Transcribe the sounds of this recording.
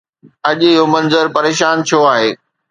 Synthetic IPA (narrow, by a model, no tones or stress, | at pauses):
ɐʄɪɦomɐ̃nzəɾpɐɾeːʃaːnt͡ɕʰoaːɦeː